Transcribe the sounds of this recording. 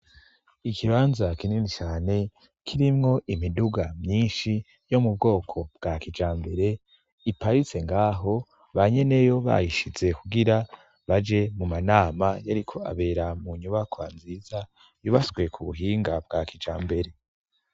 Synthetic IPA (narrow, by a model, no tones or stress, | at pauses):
ikʰiβaːnzakininit͡ʃaːne̞ | kʰiɾimŋo̞ʔimiduɡamɲiːnʃi | jo̞mub̚ɡo̞ːkʰo̞b̥ɡ̥aːkid͡ʒaːmbe̞ɾe̞ | ipaɾit͡se̞ŋɡaːɦo̞ | βaɲe̞ne̞jo̞βa̰jiʃize̞kuɡiɾa | βad͡ʒe̞mumanaːmajaɾikʰo̞a̰βe̞ːɾamuɲuβakʰwa̰nziːza | juβasɡwe̞kʰuβuɦiːŋɡab̚ɡakid͡ʒa̰ːmbe̞ɾe̞